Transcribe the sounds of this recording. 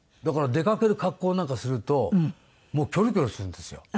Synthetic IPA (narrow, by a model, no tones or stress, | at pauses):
d̪akaɾad̪e̞kake̞ɾɯ̟kakːo̞ːnãŋkasɨɾɯ̟t̪o̞ | mo̞ːkʲo̞ɾɯ̟kʲo̞ɾɯ̟sɨɾɯ̟̃nd̪e̞sɨjo̞̰